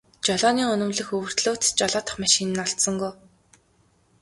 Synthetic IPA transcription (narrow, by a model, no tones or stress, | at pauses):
t͡ɕɔɮɔːniːŋɵnɵ̆mɮɘ̆xɵwɵ̆r̥t̪ɮoːt̪t͡ɕɔɮɔːt̪ə̥̆χmaʃinɘ̆nːɔɬt̪sə̆ŋɡuj